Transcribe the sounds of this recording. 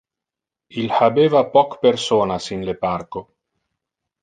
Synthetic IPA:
ilhabeːvapɔkpersoːnasinleparko

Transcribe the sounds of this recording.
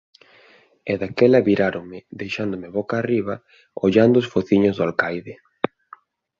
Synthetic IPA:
ɛðakɛlɐβiɾaɾoŋmɪðejʃand̪ʊmɪβɔkaːriβ̞ɐ | oʎand̪ʊːsfoθiɲʊzðʊalkajðɪ

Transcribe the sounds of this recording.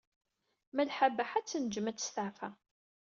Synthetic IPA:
mælħabaħat͡sːnd͡ʒmæt͡sːə̥st̪aʕfa

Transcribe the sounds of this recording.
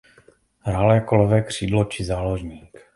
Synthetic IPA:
ɦɾalɛːkolovɛːkr̝̥iːdlot͡ʃɪzaːloʒɲiːk

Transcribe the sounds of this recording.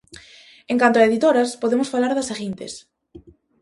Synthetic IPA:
eŋkant̪oaeðit̪oɾɐspoðemʊsfalaɾðɐsaɣint̪ɪ̰s

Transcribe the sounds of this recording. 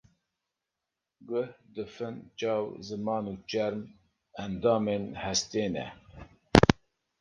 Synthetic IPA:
ɡʊhd̪ɨfɨnt͡ʃɑːwzɨmɑːnut͡ʃɛɾm | ɛnd̪ɑːmenhɛst̪eːnɛ̰

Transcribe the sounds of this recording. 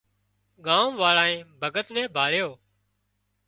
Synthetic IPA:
ɠãːõʋaːɭãːẽːbʱəɡət̪nɛ̃ːbʱaːɭjoː

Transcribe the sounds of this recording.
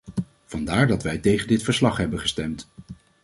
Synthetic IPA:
v̥ɑndaːɹdɑtʋɛjtejχəndɪtfəɹslɑχɦɛbənχəstɛmt

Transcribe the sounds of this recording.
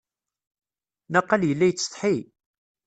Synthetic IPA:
nɑqːɑljəlːæjt͡sːt̪ˤħi

